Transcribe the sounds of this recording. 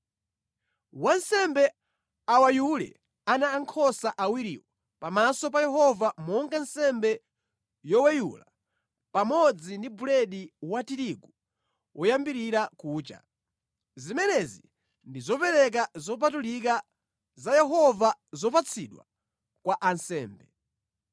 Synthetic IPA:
wansɛmbɛ | awajulɛ̰ | anaːŋkʰɔsaʔawiɾḭːwɔ | pamasɔpajɛɦɔvamɔŋɡansɛmbɛ | jɔwɛjṵla | pamɔd͡zindibulɛɗiwatiɾiɡu | wʔɔjambiɾiɾakuːt͡ʃa̰ | zimɛnɛzi | ndizɔpɛɾɛk̬azɔp̬atulik̬a | zajɛɦɔvazɔpat͡sʰiɗwa̰ | kwaʔansɛːmbɛ

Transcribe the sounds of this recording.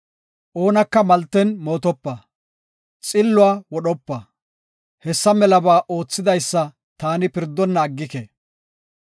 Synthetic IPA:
ʔoːnɐkːɐmɐlt̪ːɛnmo̞ːt̪ɔpːɐ | t͡sʼɪlːʊaːwɔɗɔpːɐ | hɛsːɐmɛlɐbaːʔo̞ːt͡sːɪd̪ɐjsːɐ | t̪aːnɪpɪɾd̪ːɔnːɐːɡːɪke

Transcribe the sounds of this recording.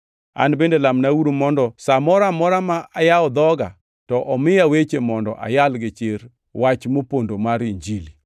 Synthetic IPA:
a̰nbendelamnawuɾomɔndɔsamɔɾamɔɾamaʔajaɔd̪ɔɡa̰ | tɔʔɔmɪjawet͡ʃemɔndɔ̰ʔa̰jalɡɪt͡ʃeɾ | wat͡ʃmopondomaɾiɲd͡ʒili

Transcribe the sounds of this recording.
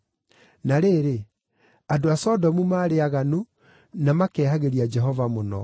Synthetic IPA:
naɾeːɾe | adoasɔdɔmumaːɾeaɣanu | namakɛːhaɣeɾiad͡ʒɛɦɔvamonɔ̰

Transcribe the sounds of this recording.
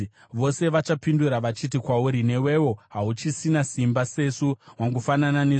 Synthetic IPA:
ʋo̞se̞ʋat͡ʃapinduɾaʋat͡ʃit̬ikwauɾine̞we̞wo̞ɦaut͡ʃisinasimbase̞suwaŋɡufananane

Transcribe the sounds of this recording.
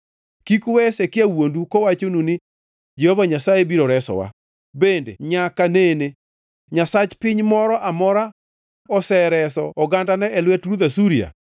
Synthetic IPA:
kikwɛsekɪawondukowat͡ʃonunɪ | d͡ʒɛhɔvaɲasajebiɾɔɾɛsɔ̰wa̰ | bendḛɲakanene | ɲasat͡ʃpɪɲmɔɾɔʔamɔɾa | ɔsɛɾɛsɔɔɡandanɛɛlwɛtɾuðasuɾia̰

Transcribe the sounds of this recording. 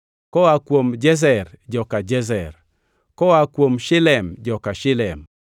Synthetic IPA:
kɔakwomd͡ʒɛz̬ɛrd͡ʒɔkad͡ʒɛzɛr | kɔakwomʃɪlɛmd͡ʒɔkaʃɪlɛm

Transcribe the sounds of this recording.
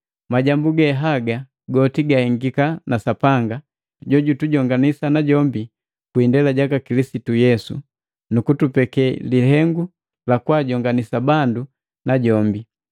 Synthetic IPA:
maɟambuɡɛɦaɡa | ɡɔtiɡahiŋɡikanasapaŋɡa | ɟɔɟutuɟɔŋɡanisanaɟɔmbi | kwindɛlaɟakakilisitujɛsṵ | nukutupɛkɛliɦɛŋɡu | lakwaɟɔŋɡanisabandu | naɟɔmbi

